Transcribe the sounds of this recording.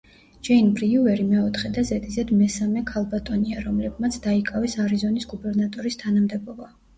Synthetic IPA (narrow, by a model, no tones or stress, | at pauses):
d͡ʒɛjnbɾiuɛɾimɛɔt̪ʰχɛd̪azɛt̪ʼizɛd̪mɛsamɛkʰalˠbat̪ʼɔniaɾɔmlɛbmat̪sʰd̪aikʼavɛsaɾizɔnisɡubɛɾnat̪ʼɔɾist̪ʰanamd̪ɛbɔba